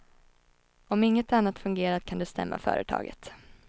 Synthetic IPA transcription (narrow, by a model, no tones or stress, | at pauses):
ɔmɪŋːət̪anːat̪fɵŋɡeːɾaɾkʰand̪ɵst̪ɛ̰mːa̰fœ̰ːɾət̪ʰɑ̰ːɡə̰t̪